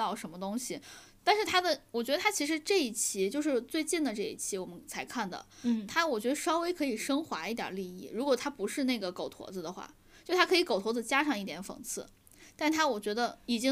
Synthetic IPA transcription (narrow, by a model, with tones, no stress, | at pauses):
ɑ˥˩ʊʂə˧˥mə˧t̪ʊ˥ŋɕi˨ | t̪a˥˧nʂɻ̩˥˩t̪ʰa˥d̪ə˨wɔ˨˩t͡ɕɥɛ˧˥ə˧a˥t͡ɕʰi˧˥ʂɻ̩˧˥ʈ͡ʂɤ˥˧i˥˩t͡ɕʰi˧˥t͡ɕjo˥˧ʊʂɻ̩˥˧t͡swe˥˧ɪt͡ɕi˥˩nd̪ə˩ʈ͡ʂɤ˥˧ḭ˥˩t͡ɕʰi˧˥wɔ˨˩mə˦nt͡sʰa˧˥ɪkʰa˥˩nd̪ə̰˩t̪ʰa˥wɔ˨˩t͡ɕɥɛ˧˥d̪ə˧ʂɑ˥ʊwe˥ɪkʰɤ˧˥i˨˩ʂɤ˥ŋxwa˧˥i˥˩t̪jə̰˨˩li˥˧i˥˩ɻu˧˥kwɔ˨˩t̪ʰa˥pu˧˥ʂɻ̩˥˧ne˥˩ɡə˩ko˨˩ʊt̪ʰwɔ̰˧˥d͡z̩˧d̪ə˨xwa̰˥˩ | t͡ɕjo˥˩ʊt̪ʰa˥kʰɤ˧˥i˧˥ko˨˩ʊt̪ʰwɔ˧˥d͡z̩˧t͡ɕja˥ʂɑ˥˧ŋi˥˩jɛ˧˥nfɤ̰˨˩ŋt͡sʰɹ̩˥˩ | t̪a˥˧ʂ̩ʰ˥˩a˥wɔ˨˩t͡ɕɥɛ˧˥d̪ə˧i˨˩t͡ɕi˥